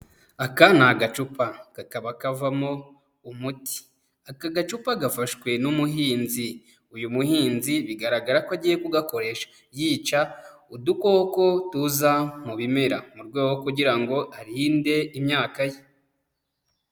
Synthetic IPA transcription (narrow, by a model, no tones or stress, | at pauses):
akanaɡat͡ʃupaɡ̥akaβakavamo | umuti̥ | akaɡat͡ʃupaɡafaʃkwe̞numuɦiːnzi | ujumuhiːnziβiɡaɾaɡaɾakoaɟiːje̞kuɡako̞ɾe̞ʃḁ | jiːt͡ʃa | udukoko̞tuzamuβime̞ɾamuɾɡoːɡokuɟiɾaŋɡo̞ʔaɾinde̞imɲaːkaje